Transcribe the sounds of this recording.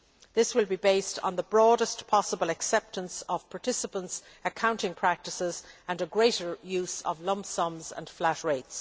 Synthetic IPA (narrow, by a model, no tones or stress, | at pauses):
ðɪswɪlˠbibeɪstn̩ðəbɹɔːɾəstpʰɑsəbəlˠɨksɛp̚tə̃nsʌv̥pʰɑɹtʰɪsəpə̃nts | ɨkʰãʊ̃ntɪ̃ŋpʰɹ̥æk̚tɨsɪzə̃nəɡɹeɪɾə˞jʉz̥ʌ̰vlʌ̃msʌ̃mzə̰̃nflætɹeɪts